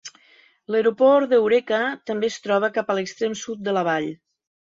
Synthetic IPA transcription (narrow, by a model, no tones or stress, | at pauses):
ləɾupɔɾd̪əwɾekət̪əmbeːst̪ɾɔβ̞əkapələkst̪ɾemsut̪̚d̪ələβ̞aʎ